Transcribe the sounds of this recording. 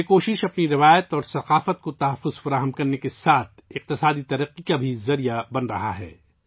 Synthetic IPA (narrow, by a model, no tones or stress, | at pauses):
ekoːʃɪʃɐpniɾɪʋaːjət̪ɔːɾsɐqaːfət̪̚kot̪ɐɦɐfːʊzfɐɾaːɦəmkɐɾnekesaːt̪̚ʰɪq̚t̪ɪsaːd̪it̪ɐɾəqːikabʱizɐɾijabɐnɾɐ̰ɦa̰ɦɛ̰ː